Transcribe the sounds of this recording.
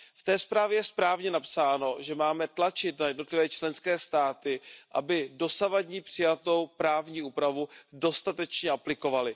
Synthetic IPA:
ft̪ɛːspɾaːvjɛjɛspɾaːvɲɛnapsaːno̞ʒɛmaːmɛt̪lat͡ʃɪt̪najɛdno̞t̪lɪvɛːt͡ʃlɛnskɛːst̪aːt̪ɪʔa̰bɪdo̞savadɲipr̝̥ɪjat̪o̞wpɾaːvɲiːʔuːpɾavudo̞st̪at̪ɛt͡ʃɲɛʔaplɪko̞valɪ

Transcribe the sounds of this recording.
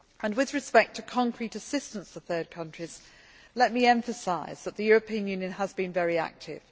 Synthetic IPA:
ə̃nwɪðɹɨspɛk̚tʰəkʰɒ̃ŋkʰɹ̥itəsɪstə̃nstəθɜːd̚kʰʌ̃nt͡ʃɹ̥iz̥ | lɛt̚miɛ̃ɱfəsaɪz̥ðəʔ̪̚ðɨjɔɹəpʰĩə̃njʉ̃ːnjɨ̃nəzbĩnvɛɹia̰k̚tʰɪ̰v̥

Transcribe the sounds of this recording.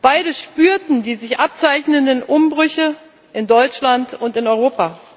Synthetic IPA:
b̥aɪdəʃpyːɐtn̩diːzɪçʔap̚t͡saɪçnəndənʔʊmbʁʏçə | ʔɪndɔʏt͡ʃlantʊntɪnɔʏʁoːpa

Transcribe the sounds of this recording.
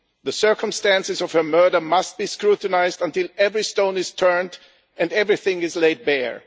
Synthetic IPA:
ðəsɜ˞kə̃mstæ̃nsɨzɔv̥hə˞mɜ˞ɾə˞mʌst̚b̥iːskɹutən̩aɪzdə̃ntɪlˠɛvɹistõʊ̃nɨz̥tʰɜ̃˞nd | ɨ̃ndɛvɹiθɪ̃ŋɪzleɪd̚bɛ̰ɹ

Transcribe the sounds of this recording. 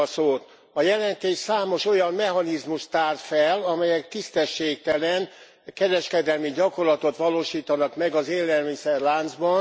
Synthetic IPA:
soːt̪ | ɒjɛlɛnt̪eːʃsaːmo̞ʃo̞jɒmːɛɦɒnizmuʃt̪aːrt̪fɛlɒmɛjɛk̚t̪ist̪ɛʃːeːk̚t̪ɛlɛn | kɛɾɛʃkɛd̪ɛlmiɟɒko̞rlɒt̪o̞t̪ʋɒloːʃiːt̪ɒnɒkmɛɡɒzeːlːɛlmisɛrlaːnd̪zbɒn

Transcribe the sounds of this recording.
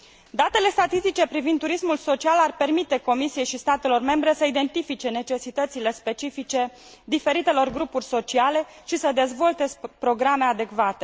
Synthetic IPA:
d̪at̪e̞le̞st̪at̪ist̪it͡ʃe̞pɾivind̪uɾismulso̞t͡ʃialarpe̞rmit̪e̞ko̞misije̞jʃist̪at̪e̞lo̞rme̞mbɾe̞səid̪e̞nt̪ifit͡ʃe̞ne̞t͡ʃe̞sit̪ət̪sile̞spe̞t͡ʃifit͡ʃe̞ | d̪ife̞ɾit̪e̞lo̞rɡɾupurʲso̞t͡ʃiale̞ | ʃisəd̪e̞zvo̞lt̪e̞spɾo̞ɡɾame̞ad̪e̞kvat̪e̞

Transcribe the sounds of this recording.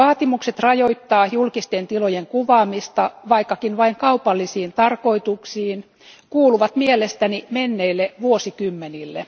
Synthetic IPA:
ɑːt̪imukset̪rɑjoit̪ːɑːjulkist̪ent̪ilojeŋkuʋɑːmist̪ɑʋɑikːɑkinʋɑiŋkɑupɑlːisiːnt̪ɑrkoit̪uksiːn | kuːluʋɑt̪mielest̪ænimenːeilːeʋuosikymːenilːe

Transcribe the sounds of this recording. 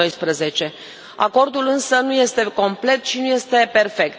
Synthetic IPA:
ojspɾəze̞t͡ʃe̞ | a̰ko̞rd̪ulɨnsənuje̞st̪e̞ko̞mple̞t̪ʃinuje̞st̪e̞pe̞rfe̞k̚t̪̚

